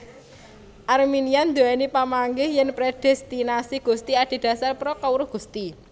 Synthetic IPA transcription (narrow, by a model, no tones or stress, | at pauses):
ʔarminiand̪oɛnipamaŋɡɪhjɛnpɾed̥ɛst̪inasiɡ̥ṳst̪iaɖ̥i̤d̪̥ä̤sarpɾɔkauɾʊhɡ̥ṳst̪i